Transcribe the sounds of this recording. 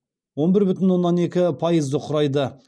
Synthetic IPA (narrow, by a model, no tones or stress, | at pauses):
wo̞nbɪɾbʏt̪ɪnwo̞nːɑne̞kʲɪpʰɑjəzd̪əqʰʊɾɑjd̪ə